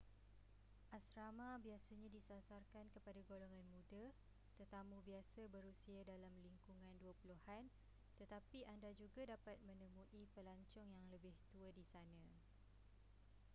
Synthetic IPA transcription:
ʔasɾamãbiasaɲãdisasarkankəpadaɡoloŋãnmũda | t̪ət̪amũbiasabəɾusiadalamliŋkuŋãnduəpuluhan | t̪ət̪apiʔandad͡ʒuɡadapat̪̚mə̃nə̃mũʔipəlaɲt͡ʃɔŋjaŋləbɪht̪uədisanã

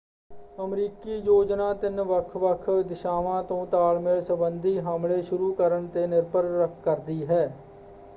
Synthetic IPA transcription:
əmɾiːkiːjoːd͡ʒnãːt̪ɪnʋəkʰʋəkʰd̪ɪʃaːʋãːt̪õːt̪aːlmɪlsəbənd̪ʱiːɦaːmleːʃʊɾuːkəɾəɳt̪eːnɪɾpəɾːəkʰkəɾd̪iːɦɛː

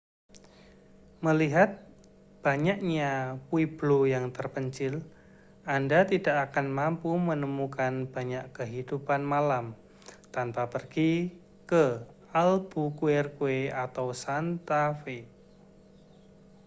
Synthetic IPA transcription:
məliɦat̪̚ | b̥aɲakɲapwib̥lojaŋt̪ərpəɲt͡ʃɪl | ʔandat̪idaʔakanmampumənəmukanb̥aɲaʔkəɦid̥upanmalam | t̪anpapərɡ̥i | kə | alb̥ukuɛrkueat̪awsant̪afe

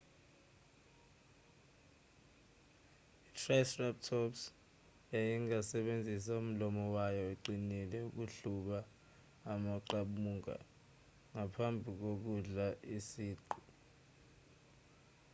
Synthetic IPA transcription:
itʰrajsrap̚tʰɔps | jajiŋasɛɓend͡zʱis̬aum̩lɔmɔwajɔɛǃinilɛuk̬uɬuɓaː | maǃaɓuːŋa̰ | ŋapʰambʱik̬ok̬uɮaisiːǃu

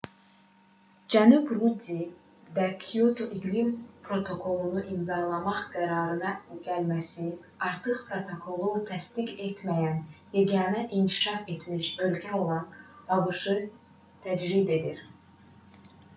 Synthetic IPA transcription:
d͡ʒænubɾud̪i | d̪ækʰijot̪ʰoʔiɡlimpʰɾo̞t̪ʰo̞kʰo̞lˠunuʔimzɑlˠɑmɑχɡ̥æɾɑːɾɯnɑɟ̥ælmæsi | ɑɾt̪ʰɯχpɾo̞t̪ʰo̞kʰo̞lˠut̪ʰæst̪iɡe̞t̪mæjænjeɡɑnæʔinkʲʰi̥ʃɑfe̞t̪miʃø̞lcʰæo̞lˠɑnɑbɯʃɯ | t̪ʰæd͡ʒɾid̪e̞d̪iɾ

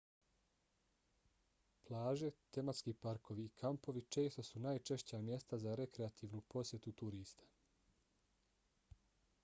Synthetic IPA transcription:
plˠaːʒe̞t̪e̞mat̪skiːpaɾko̞ʋiːkʰampo̞ʋit͡ʃe̞ːst̪o̞sunaːjt͡ʃe̞ʃt͡ɕamje̞st̪azaɾe̞kɾeat̪ʰiːʋnupo̞sje̞t̪ut̪uɾiːst̪ḁ

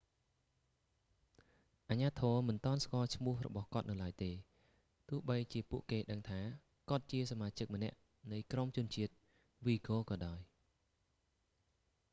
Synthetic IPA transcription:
ʔaɲaːt̪ʰɔːmɨnt̪ŏənskŏəlt͡ɕʰmʊ̆əhrɔ̰ɓɑhkŏət̪̚nɨwlaəjt̪eː | t̪ʊ̆əhɓəjt͡ɕiəpuəʔkeːɗəŋt̪ʰaː | kŏət̪̚t͡ɕiəsamaːt͡ɕɨk̚mə̆nɛ̆əʔ | nɨjkromt͡ɕʊ̆ənt͡ɕiət̪̚ | ʋiːkoːkɑːɗaɔj

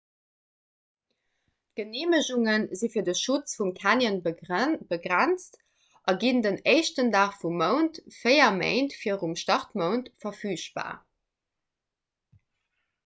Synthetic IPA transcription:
ɡ̥əneːməʑuŋənzifiːɐdəʃut͡sfumkʰanjənbəɡʁænt͡st | ʔɑɡindəneɪʃtəndaːχfumːəʊntfeɪɐmḛɪntfiːɐʁumʃtɑʁtməʊntfɐfyːʃ̚b̥a̰ː

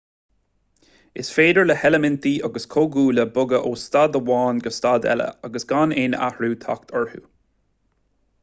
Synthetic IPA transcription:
ɪsfeːd̪əɹləhɛləmɪnt̪iːʔaɡəskʰoːɡuːləbʊɡəʔoːst̪ad̪əwɑːnɡəst̪ad̪ɛ̰lə̰aɡəsɡ̥aneːna̰hɹuːt̪ʰɔ̰kt̪ʰɔɹhṵː

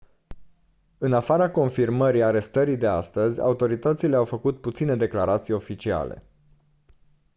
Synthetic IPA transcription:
ɨnafaɾako̞nfirməɾiaɾe̞st̪əɾid̪e̞a̰st̪əzʲa̰ut̪o̞ɾit̪ət̪sile̞awfəkut̪̚put̪sine̞d̪e̞klaɾat̪sijo̞fit͡ʃia̰le̞̰

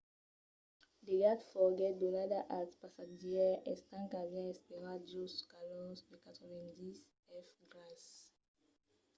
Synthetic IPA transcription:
deɡadfɔɡɛt̚donadaʔatpasad͡ʒjɛɛstãŋkazɛ̃ɛspeʁad͡ʒoskalɔsdekatʁɛvɛ̃ndis | ɛfɡʁas

